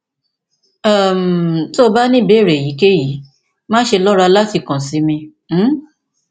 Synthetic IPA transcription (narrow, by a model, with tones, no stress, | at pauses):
a˦˨m˨to˦˧ba˦nĩ˦˨be˨˦˨ɾe˨ji˨˦ke˦ji˨˦ | mãː˦ʃe˧lɔ˦ɾa˧la˦ti˧kã˨si˨˦mĩ˧˦